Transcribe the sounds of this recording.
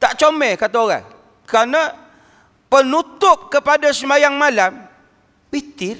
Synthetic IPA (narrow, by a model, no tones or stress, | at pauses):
t̪aʔt͡ʃomɛkat̪aoɣa̰ŋ | kəɾana | pənut̪ʊp̚kəpadasəmajaŋmalam | wit̪ɪr